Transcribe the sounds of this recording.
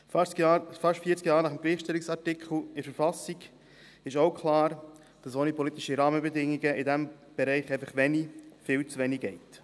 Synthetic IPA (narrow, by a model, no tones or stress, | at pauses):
fɑʃtfiːɾt͡skjɑːɾnɑχəmɡliːχʃtɛlɪksɑɾtɪkʰχl̩ˠɪɾfəɾfɑsɪɡ | ɪʃoʊkʰχlɑːɾ | d̥ɑsoːnipɔlit̪ɪʃiɾɑːməbɛdɪŋːiɡəʔɪdɛm | b̥ɛɾɛɪχɛɪfɑχʋɛnifɪːlt͡svɛniɡ̥ɛɪt